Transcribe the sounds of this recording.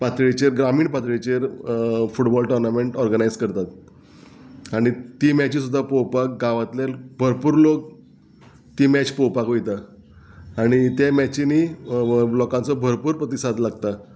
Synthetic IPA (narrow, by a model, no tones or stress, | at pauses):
pat̪ɭit͡ɕeɾɡɾamiːɳpat̪ɭit͡ɕeɾfuʈbɔlʈoɾnameɳʈɔɾɡənajd͡zkəɾt̪at̪ | aɽ̃it̪iːmɛt͡ɕiːsud̪ʱːapowpak̚ɡaʋat̪lelbʱəɾpuːɾlok | t̪iːmɛt͡ɕpowpakɦojt̪a | aɽ̃it̪emɛt͡ɕini | blɔkãnt͡sɔbʱəɾpuːɾpɾət̪isad̪laɡ̚t̪a